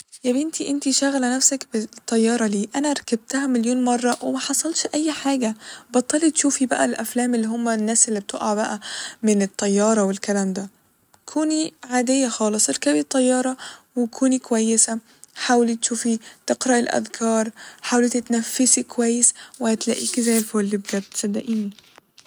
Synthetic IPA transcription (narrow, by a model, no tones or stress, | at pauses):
jæbɪnt̪iʔent̪iʃæɣælænæfsækbet̪ˤːɑjːɑːɾˤɑliːʔænæɾˤækæb̚t̪æhæmeljoːnmɑrˤːɑwemæħɑsˤɑlʃʔæjːħaːɡæbɑt̪ˤːɑːlit̪ʃuːfibæʔælʔæflæːmelːiːɦomːænːæːselːib̚t̪ʰoʔɑʕbæʔæmenet̪ˤːɑjːɑːɾˤɑwelkælæːmd̪æ | kʰuːniʕaːd̪ejːæxɑːlesˤʔeɾkæbit̪ˤːɑjːɑːɾˤɑwekʰuːnikowæjːesæ | ħaːwlit̪ʃuːfit̪eqɾæʔelʔæ̰ðkʰɑːɾˤħaːwlit̪et̪næfːesikowæjːeswɪhæt̪læʔiːkzæjːfowlːibed̪æbet̪sæd̪ːæʔiːni